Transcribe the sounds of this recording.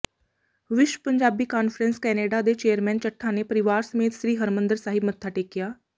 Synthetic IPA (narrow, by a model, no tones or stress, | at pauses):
ʋɪʃwəpəɲd͡ʒaːbiːkaːnfəɾənskɛːneːɖaːd̪et͡ʃeːəɾmɛ̃ːnt͡ʃəʈʰːanepəɾɪʋaːɾsəmeːt̪ʃɾiːɦəɾmə̃nd̪əɾsaːɦɪbmət̪ʰːaːʈeːkːɪjaː